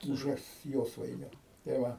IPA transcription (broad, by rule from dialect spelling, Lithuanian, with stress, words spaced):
ˈbʊʋʲɛs ˈjoːsʋɐɪnʲʊ tɐɪ ˈʋɐ